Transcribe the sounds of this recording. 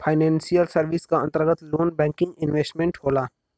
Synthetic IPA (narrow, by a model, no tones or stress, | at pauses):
pʰaːɪnɛ̃ːnsijəlsəɾʋɪskaə̃nt̪əɾɡət̪loːnbɛ̃ːŋkɪ̃ŋɡɪnʋeːsʈmẽːɳʈɦoːlaː